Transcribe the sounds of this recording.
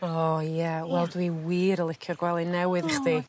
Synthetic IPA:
ɔjawɛlˠdwiwiːɾəlˠɪkʰjʊrɡ̥wɛlˠinɛwɨðɪχði

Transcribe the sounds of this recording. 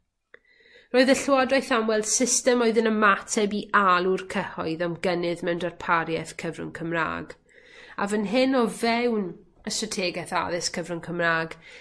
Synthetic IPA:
roːɨðəɬwɔdoɨθamwɛlˠd̥sɪstɛmoɨðɪnəmatʰɛbiʔalˠurkʰəhɔɨðamɡənɨðmɛwndarpʰaɾjɛθkʰəvrʊ̰ŋkʰəmra̰ːɡ | a̰vənɦɪnɔvɛwn | əstratʰeːɡɛθa̰ðɪskʰəvrʊŋkʰəmraːɡ

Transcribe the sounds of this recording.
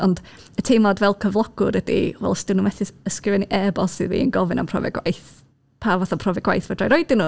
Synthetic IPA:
ɔnd | ətʰemɔdvɛlˠkʰəvlˠɔɡ̥ʊɾədḭvɛ̰lˠstənumɛθɪəskɪvɛniʔɛbɔsːɨðvḭːənɡɔvɪna̰mpʰrɔ̰vɛ̰ɡwa̰jθ | pʰavɔθapʰrɔvɛɡ̥wajθvədrajɾɔjdɪnu

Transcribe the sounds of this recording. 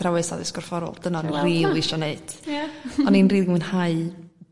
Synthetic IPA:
ɾawɛsa̰ðɪsɡ̥ɔrfɔɾɔ̰lˠd̥ənaənriːlˠɪʃɔneɨd̥ | ɔninriːðɡmɨnhaɨ

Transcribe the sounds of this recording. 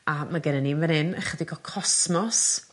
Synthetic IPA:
amaɡɛnɛninvɛnɪnə̰χədɪɡɔkʰɔsmɔs

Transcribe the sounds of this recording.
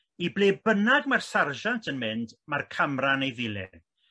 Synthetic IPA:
ibleːbənaɡmarsarʒantʰənmɪndmarkʰamranejðɪlˠɛ̰

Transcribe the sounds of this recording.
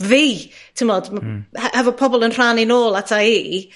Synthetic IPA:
viːtʰɪmɔd̥mahɛhɛvɔpʰɔbɔlˠənr̥aninoːlˠatʰaiː

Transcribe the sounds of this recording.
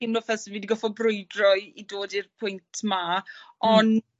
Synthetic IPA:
ɪmlɔfɛsəviːdiɡɔfɔbrʊjdrɔɨidoːdirpʰʊjntʰmaɔn

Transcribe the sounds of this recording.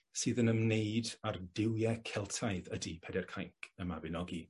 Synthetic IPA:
sɨːðənəmnejdardɪwjɛkʰɛlˠtʰaɨðədipʰɛdɛrkʰajkʰəmavɪnɔɡi

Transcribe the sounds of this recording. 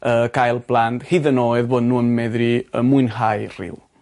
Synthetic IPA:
əkʰajlˠblˠandhiðənoːɨðboːdnuːənmɛðriə̰mʊɨnɦajr̥ɪ̰w

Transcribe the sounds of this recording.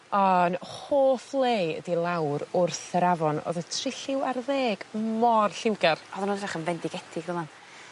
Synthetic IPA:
ɔnhoːθlˠejədilˠawɾʊrθəɾavɔno̰ðətʰrɪɬɪwarðeːɡ̥mɔrɬɪwɡarɔðənunraχənvɛndɪɡɛtʰɪɡ̥ðəman

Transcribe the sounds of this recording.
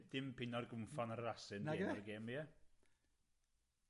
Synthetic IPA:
d̥ɪmpɪnɔrɡʊmfɔnəɾəɾasɨneːɡeːmiɛ

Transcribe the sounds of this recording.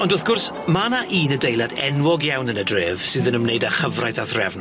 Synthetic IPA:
ɔndɔθɡ̥ʊrs | manaʔiːnədejlˠadɛ̰nwɔɡjawnənədreːv̥sɨːðənəmnejdaχəvrajθaθrɛvn

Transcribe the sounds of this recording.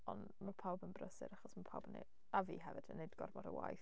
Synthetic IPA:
ɔn | mapʰawbənbrəsɪ̰ɾaχɔsmapʰawbənḛ | avḭːɦɛvɨd̥ənːejdɡɔ̰rmɔdə̰wa̰jθ

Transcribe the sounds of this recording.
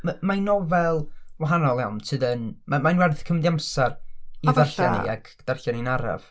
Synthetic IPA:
mamajnɔvɛlˠwaɦanɔlˠɛwntʰɨːdənmamajnwɛrθkʰəmɛdiamsariðarɬa̰nḭa̰ɡ | d̥arɬaninaɾa̰v̥

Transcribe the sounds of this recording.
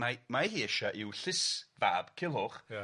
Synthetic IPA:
amahiːɛʃaʔɪwɬɪsva̰ːb̥kʰɪlˠʊχ

